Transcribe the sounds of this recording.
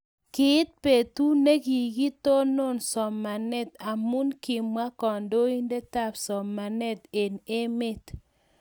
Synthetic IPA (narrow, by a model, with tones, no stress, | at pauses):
kɪ˦t̚pe˨tu˦ne˦ki˨ɡi˦to˦nʊ˦˨nsɔ˨mːa˨nɛ˦t̪a˨mu˦nkɪ˨mwa˦kɔ˨ndo˦i˦nde˦ta˦˨psɔ˨mːa˨nɛ˦te˨ne˦me˦t